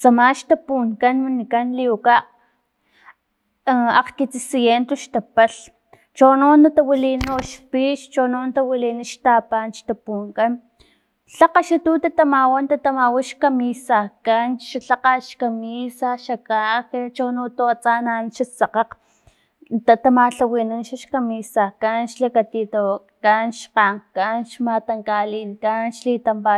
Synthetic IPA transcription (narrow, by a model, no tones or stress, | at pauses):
t͡samaʃt̪apuŋkanwinikanliuka | aqkit͡sisijent̪oʃt̪apaɬ | t͡ʃonoːnat̪awilinoʃpiʃt͡ʃonoːnt̪awiliniʃt̪apanʃt̪apuŋkan | ɬaqaʃat̪ut̪at̪amawant̪at̪amawaʃkamisakanʃaɬaqaʃkamisaʃakaket͡ʃonot̪aat͡sananʃat͡sɑqɑq | t̪at̪amaɬawiːnanʃaʃkamisakanʃlakat̪it̪awa | kanʃqaŋkanʃmat̪aŋkaliːŋkanʃliːt̪ampa